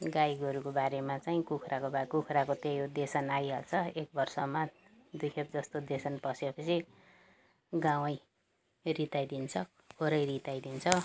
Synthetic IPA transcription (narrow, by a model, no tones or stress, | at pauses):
ɡajiɡʌɾukobaɾemat͡saĩkukʰrakobakukʰɾakot̪ejod̪esʌnajɦʌlt͡sʰʌek̚bʌrsʌma | d̪ujkʰep̚d͡zʌst̪od̪esʌnpʌsjepʌsʰi | ɡãw̃ʌj | rit̪ajd̪int͡sʰʌ | kʰoɾʌjɾit̪ajd̪int͡sʰʌ